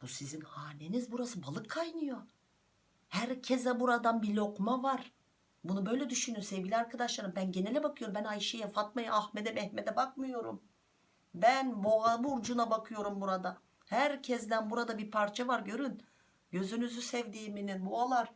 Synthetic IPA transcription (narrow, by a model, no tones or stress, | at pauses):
b̥usizinhaːnenizbuɾasɯbalˠɯkʰːajnɯjo | hæɾcʰɛzɛbuɾad̪anbilʲo̞kmavaɾ̥ | bunubø̞jlʲɛd̪yʃynyjosevɟilʲiaɾkʰad̪aʃlˠaɾɯmbænɟenelʲɛbakʰɯjo̞ɾumbænajʃajafat̪̚majaaxmed̪ɛmɛhmed̪ɛbakmɯjo̞ɾum | bænbuabuɾd͡ʒunabakʰɯjo̞ɾumbuɾad̪a | hæɾcʰɛzd̪ænbuɾad̪abiɾpʰaɾt͡ʃʰavaɾɟø̞ɾyn | ɟø̞zynyzysɛvd̪iːmininbualˠaɾ̥